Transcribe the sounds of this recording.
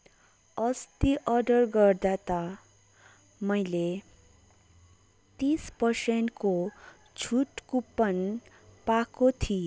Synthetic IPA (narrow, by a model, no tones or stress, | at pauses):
ʌst̪iʔʌɖʌrɡʌrd̪at̪a | mʌjle | t̪ispʌrsenʈko | t͡sʰuʈkupːʌn | pakot̪ʰi